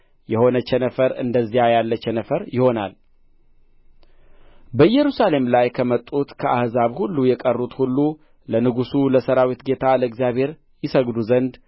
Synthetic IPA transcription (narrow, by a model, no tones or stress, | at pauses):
jɛho̞nət͡ʃɛnəfəɾɨ̰nd̪əzːijajalːət͡ʃːɛnəfəɾjɪho̞na̰l | bəjɛɾusale̞mlajkʰəmət̪ʼːut̪kʰəʔahzaβhulːujɛkʼərːut̪hulːu | lənɨɡusuləsəɾawit̪ɡe̞t̪ʰaləɨɡzjaβhe̞ɾ | jɪsəɡd̪uzənd̪